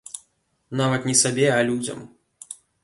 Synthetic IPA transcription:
navɐt̪nʲɛsabʲɛalʲud͡zʲɐ̰m

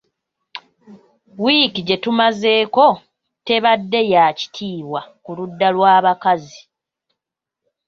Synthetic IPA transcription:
wikiɟe̞tumaze̞ːko̞ | te̞βadːe̞jaːci̥tʰiːβwakuludːalwaːβakazi

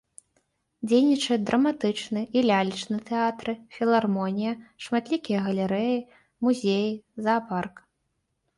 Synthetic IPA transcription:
d͡zʲejnʲit͡ʂɐd̪ɾʔɐmat̪ɨt͡ʂnɨʔilʲalʲit͡ʂnɨt̪ɛat̪ɾɨfʲilˠarmɔnʲijɐʂmat̪lʲikʲijɐɣɐlʲɛɾɛji | muzʲejizaːpark

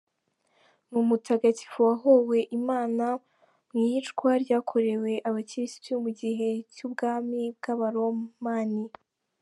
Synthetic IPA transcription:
mumutʰaɡaci̥fuwaɦowe̞ʔimaːna | mŋit͡ʃkwaɾɟaːkʰo̞ɾe̞we̞ʔaβaciɾisi̥tumuɟiɦe̞cuːbɡaːmibɡaβaɾomaːni

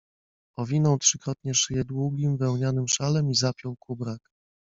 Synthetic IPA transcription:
ɔvʲinɔ̃w̃tʂɘkɾɔt̪ɲɛʂɘjɛd̪wuɡʲimvɛwɲanɘmʂalɛmizapʲjɔ̃w̃kʰubɾak

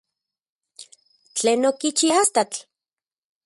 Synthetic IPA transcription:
t͡ɬeːnokit͡ʃiast̪at͡ɬ

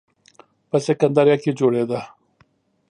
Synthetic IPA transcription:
pɐsekɐnd̪aɾjakid͡ʒoɽed̪a

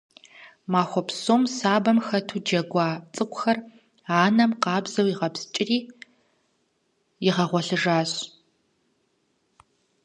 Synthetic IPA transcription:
maːxʷɔpsoːmsaːbɐmxɐtʰud͡ʒɐɡʷɑːt͡sʼɨkʷʼʊxɐr | aːnɐmqɑːbzɐwiʁɐpst͡ʃʼɪriː | jɪʁɐʁʷɔɬɨʐaːɕ

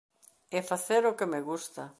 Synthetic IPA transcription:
efaθeɾokemeɣust̪a

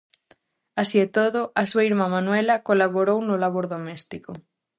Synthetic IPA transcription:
asiet̪oðoʔasuaiɾmamãnwelakolaβ̞oɾownolaβ̞oɾðomest̪iko

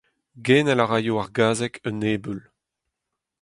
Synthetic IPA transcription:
ɡɛːnɛlaʁaːjoaʁɡaːzɛkʰəneːbyl

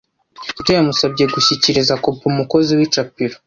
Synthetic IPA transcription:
utejamusabɟe̞ɡuçiciɾizakopumuko̞ziwit͡ʃapiɾo

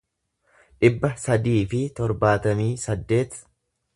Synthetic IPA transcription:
ᶑɪbːɐsɐd̪iːfɪt̪ɔɾbaːt̪ɐmiːsɐd̪ːe̞ːt̪

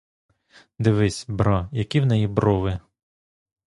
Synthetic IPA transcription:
d̪ɪʋɪsʲbɾɔjɐkʲiwnɛjibɾɔʋɪ

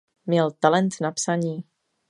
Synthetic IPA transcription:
mɲɛlt̪alɛnt̪napsaɲiː

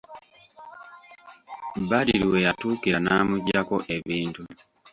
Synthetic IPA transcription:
baɾiɾiwe̞jatuːkiɾanaːmuɟakoʔe̞βiːntu

